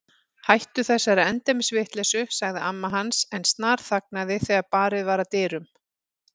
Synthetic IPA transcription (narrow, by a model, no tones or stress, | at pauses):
hajht̪ʏθɛsːaɾaɛnt̪ɛmɪsvɪht̪lɛsʏsaɣðɪamːaɦansɛnst̪naːɾ̥θak̚naðɪθɛɣapaːɾɪðvaːɾat̪ɛːɾʏm